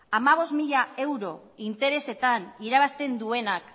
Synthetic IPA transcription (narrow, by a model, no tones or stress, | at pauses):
amaβ̞o̞zmiʎae̞wɾo̞ | int̪e̞ɾe̞se̞t̪aniɾaβ̞ast̪e̞nd̪ue̞nak